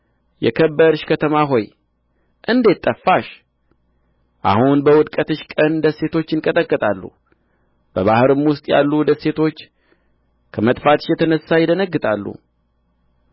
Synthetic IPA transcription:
jɛ̰kʰəbːəɾʃkʰət̪ʰəmaɦo̞j | ʔɨnd̪e̞t̪ʼːəfːaʃ | ʔa̰hunbəwʊd̪kʼət̪ɨʃkʼənd̪əsːe̞t̪ʰo̞t͡ʃːɪnkʼət̪ʼəkʼːət̪ʼalːṵ | b̥əβahɨɾɨmwʊst̪ʼja̰lːud̪əse̞t̪ʰo̞t͡ʃː | kʰəmət̪ʼfat̪ʃjɛt̪ʰənəsːajɪd̪ənəɡːɨt̪ʼalːṵ

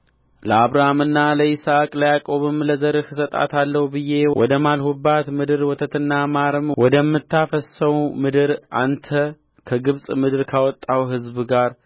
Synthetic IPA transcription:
ləaβɾahmɨnːaləɪsakʼləjakʼo̞βɨmləzəɾɨhɨsət̪ʼa̰t̪alːəhubɨje̞wʔɔd̪əmalhubat̪mɨd̪ɨɾwɔt̪ʰət̪ɨnːamaɾɨmwɔd̪əmːɨt̪ːafəsəmumɨd̪ɨɾʔant̪ʰə | kʰəɡɨβsʼmɨd̪ɨɾkʰawɔt̪ʼːawɦɨzbɡaɾ

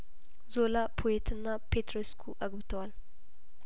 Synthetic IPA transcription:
zolapʰoet̪ʰɨnːapʰet̪ɾoskʰuʔaɡbt̪ʰɐwal

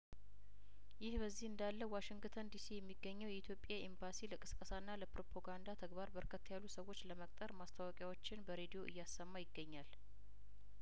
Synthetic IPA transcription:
jɪhbəzːihɨnd̪alːəwaʃɪŋɡt̪ʰənd̪isijɛmːiɡːəɲːəwjɛit̪ʰjo̞pʼjaʔimbasiləkʼɨ̥skʼəsanːaləpɾopʰoɡand̪at̪ʰəɡbaɾbəɾkʰət̪ʰːjalusəwːo̞t͡ʃːləməkʼt̪ʼəɾmast̪ʰawəkʼjawo̞t͡ʃːɪnbəɾe̞d̪ijo̞ʔɨjːasːəmːajɪɡːəɲːal

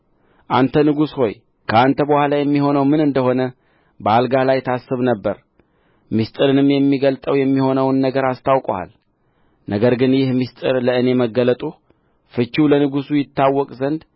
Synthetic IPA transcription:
ʔant̪ʰənɨɡusho̞j | kʰəant̪ʰəbohalajɛmːiho̞nəwmɨnɨnd̪əho̞nə | bəalɡalajt̪ʰasːɨβnəbːəɾ | mist̪ʼɨɾɨnɨmjɛmːiɡəlt̪ʼəwjɛmːiho̞nəwnːəɡəɾast̪ʰawkʼoa̰l | nʔəɡəɾɡɨnjɪhmist̪ʼɨɾləɨne̞məɡːələt̪ʼu | fɨt͡ʃːulənɨɡusujɪt̪ːawːɔkʼzənd̪

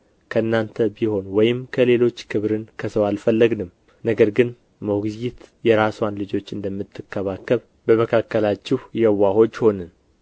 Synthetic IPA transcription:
kʰəɨnːant̪ʰəbiho̞nwɔjɪmkʰəle̞lo̞t͡ʃːkʰɨβɾɨnkʰəsəwalfəlːəɡnɨm | nəɡəɾɡɨn | məwɡzɪt̪jɛɾaswanlɨd͡ʒo̞t͡ʃːɨnd̪əmːɨt̪ʰːɨkːəβakːəβ | bəməkʰakːəlat͡ʃːɛhjɛwːaho̞t͡ʃːho̞nɨn

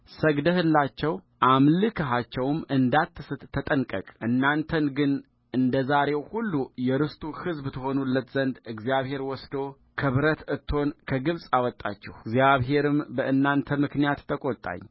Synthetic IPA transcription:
səɡd̪əhɨlːat͡ʃːɛw | ʔamlɨkʰɨɦat͡ʃːɛwɨmʔɨnd̪at̪ːɨsɨt̪ʰːət̪ʼənkʼə̰kʼʔɨnːant̪ʰənɡɨn | ʔɨnd̪əzaɾe̞whulːujɛɾɨst̪ʼuhɨzbt̪ʰəho̞nulːət̪zənd̪ɨɡzijaβhe̞ɾwɔsd̪o̞ | kʰɨβɾət̪ɨt̪ːɨho̞nkʰəɡɨβsʼawɔt̪ʼːa̰t͡ʃːɛhɨɡzjaβɦe̞ɾɨmbəʔɨnːant̪ʰəmɨknijat̪ːʰəkʼot̪ʼa̰ɲː

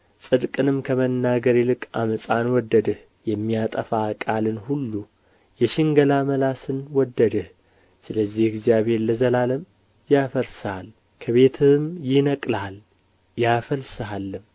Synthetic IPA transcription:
sʼɨd̪kʼɨnɨmkʰəmənːaɡəɾilɨkʼaməsʼanwɔd̪ːəd̪ɨh | jɛmːijat̪ʼəfakʼalɨnhulːu | jɛʃɪŋɡəlaməlasɨnwɔd̪ːəd̪ɨh | sɨləzːihɪɡzijaβhe̞ɾləzəlaləm | jafəɾsɨhal | kʰəβe̞t̪ʰɨmjɪnəkʼlal | jafəlsɨɦalːɨm

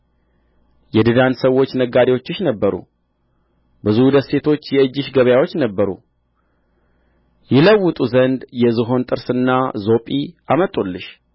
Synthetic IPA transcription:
jɛd̪ɨd̪ansəwːo̞t͡ʃːnəɡad̪ewo̞t͡ʃːɨʃnəbːəɾṵ | bɨzud̪əsse̞t̪ʰo̞t͡ʃːjɛɨd͡ʒːɪʃɡəβjawo̞t͡ʃːnəbːəɾṵ | jɪləwːʊt̪ʼuzənd̪jɛzɨɦo̞nt̪ʼɨɾsɨnːazo̞pʼiʔamət̪ʼːulːɨʃ

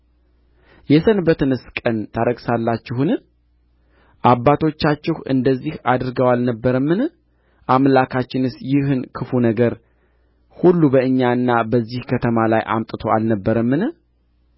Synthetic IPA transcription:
jɛsənbət̪ʰɨnɨskʼənt̪ʰaɾəksalːat͡ʃːɪhunɨ | ʔabːat̪ʰo̞t͡ʃːat͡ʃːɪhɨ̰nd̪əzːihad̪ɨɾɡəwalnəbːəɾəmːɨn | ʔamlakʰat͡ʃːɪnɨsjɪhɨnkʰɨfunəɡəɾ | hulːubəɨɲːaɨnːabəzːihkʰət̪ʰəmalajʔa̰mt̪ʼɨt̪ʰo̞a̰lnəbːəɾəmːɨn

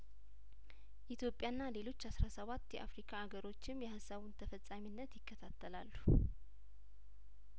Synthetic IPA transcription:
ʔit̪ʰjo̞pʼːjanːale̞lo̞t͡ʃːasɾasəβat̪ːjɛʔafɾikʰaːɡəɾo̞t͡ʃːɪmjɛhasːaβunt̪ʰəfət͡sʼːaminːət̪jɪkʰːət̪ʰat̪ːəlalːu̥

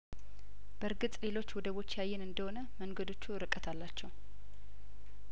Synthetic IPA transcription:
b̥əɾɡɨt̪ʼle̞lo̞t͡ʃːwɔd̪əβo̞t͡ʃːjajːɛnɨnd̪əho̞nəməŋɡəd̪o̞t͡ʃːuɾɨkʼːət̪ʰalːat͡ʃːɛw

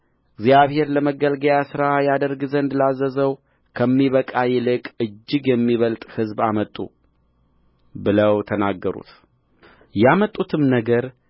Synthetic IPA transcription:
ɨɡzijaβhe̞ɾləməɡəlɡəjasɨɾajad̪əɾɡzənd̪lazːəzəw | kʰəmːiβəkʼajɛlɨkʼɨd͡ʒːɪɡjɛmːiβəlt̪ʼhɨzbamət̪ʼːṵ | bɨləwt̪ʰənaɡːəɾṵt̪ | jamət̪ʼːut̪ʰɨmnəɡəɾ

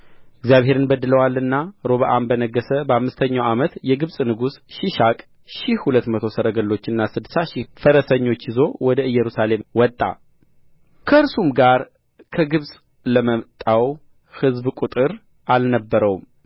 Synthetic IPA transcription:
ɪɡzjaβhe̞ɾɨnbəd̪ɨləwalːɨnːaɾo̞βəʔambənəɡːəsəbəamːɨst̪ʰəɲːawamət̪jɛɡɨβsʼnɨɡusʃɪʃakʼ | ʃɪhhulət̪ːmət̪ʰo̞səɾəɡəlːo̞t͡ʃːɨnːasɨd̪saʃɪfəɾəsəɲːo̞t͡ʃːjɪzo̞wɔd̪əɨjːɛɾusale̞mwɔt̪ʼːa̰ | kʰəɨɾsumɡaɾ | kʰəɡɨβsʼ | ləməmt̪ʼaw | hɨzbkʷʼut̪ʼɨɾ | ʔalnəbːəɾəwm

